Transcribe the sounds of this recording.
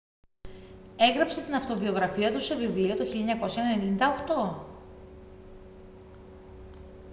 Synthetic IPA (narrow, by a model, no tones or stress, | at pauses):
e̞ɣɾɐpse̞t̪inɐft̪o̞vio̞ɣɾɐfiɐt̪use̞vivliɐt̪oçilʎɐɲɐko̞sjɐenenind̪ɐoxt̪o̞